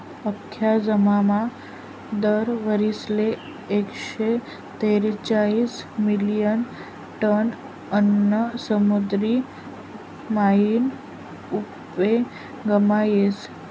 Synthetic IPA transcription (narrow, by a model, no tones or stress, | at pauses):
əkʰːjad͡ʒəmamã | d̪əɾʋəɾisleː | kʃe | t̪eɾt͡ʃalismilijən | ʈən | ənːəsəmud̪ɾi | maɦin | up | e | ɡəmajes